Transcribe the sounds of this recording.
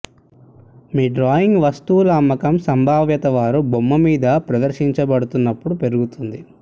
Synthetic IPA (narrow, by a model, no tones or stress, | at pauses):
miːɖɾaːjiŋɡʋɐst̪ulɐːmːɐkɐmsɐmbʱaːʋjɐt̪ɐʋaːɾubomːɐmiːd̪ɐpɾɐd̪ɐɾʃiɲt͡ʃɐbɐɽut̪unːɐpːuɽupe̞ɾuɡut̪und̪i